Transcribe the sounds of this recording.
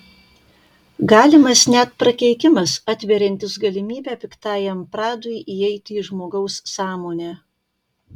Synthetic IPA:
ɡɑːlʲɪmɐsnʲɛt̪̚pɾɐkʲɛɪkʲɪmɐsɑt̪ʲʋʲɛɾʲɛnʲt̪ʲɪsɡɐlʲɪmʲiːbʲæːpʲɪkt̪ɑːjɛmpɾɑːd̪ʊɪjʔiɛɪt̪ʲɪːʒmoːɡɐʊssɑːmoːnʲæː

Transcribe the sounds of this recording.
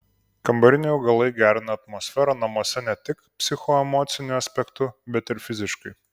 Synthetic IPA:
kɐmbɐɾʲɪnʲɛʊɡɐlˠɐɪɡʲæːɾʲɪnɐɐt̪mɔːsʲfʲɛɾɐnɐmoɔsʲɛnʲɛt̪ʲɪkpʲsʲɪxɔɛmoːt̪sʲɪnʲʊɐsʲpʲɛkt̪ʊbʲɛt̪ɪɾfʲɪzʲɪʃkɐɪ

